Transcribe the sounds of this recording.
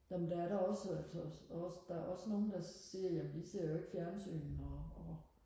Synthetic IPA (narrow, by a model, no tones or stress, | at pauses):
jæmənd̥ææɐɾɑɒ̽sælsɒɒsd̥ɑæɐɒ̽sno̝ːn̩d̥ɑ̈siɐjæmniseɐ̰joe̝ɡ̥əfjæɐnsy̰ːnn̩ɒɒ